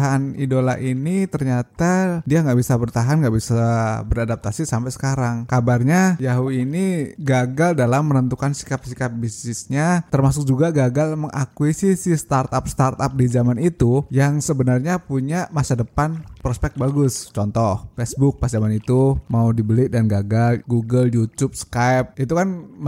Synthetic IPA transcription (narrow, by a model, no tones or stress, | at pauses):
ɦanidolaʔinit̪ərɲat̪adiaŋɡaʔbisabərt̪aɦanŋɡaʔbisabəɾadap̚t̪asisampɛjsə̥kaɾaŋkabarɲajaɦuiniɡaɡaldalamːənənt̪ukansi̥kap̚sikap̚bisnɪsɲat̪ərmasʊk̚d͡ʒuɡaɡaɡalməŋʔakwisisist̪art̪ap̚st̪art̪ap̚dizamanit̪ujaŋsəbənarɲapuɲamasadəpanpɾɔspɛk̚t̪̚baɡʊst͡ʃɔnt̪ɔhfɛsbʊk̚pasd͡ʒamanit̪umaudibəlɪʔdanɡaɡalɡuɡəldiut̪up̚sə̥kajp̚it̪ukan